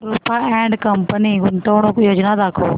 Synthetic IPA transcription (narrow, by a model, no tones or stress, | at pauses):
ɾupʰaɛ̃ːɳɖkəmpəniɡʊnt̪oːɽ̃õkjoːd͡ʒnad̪aːkʰoː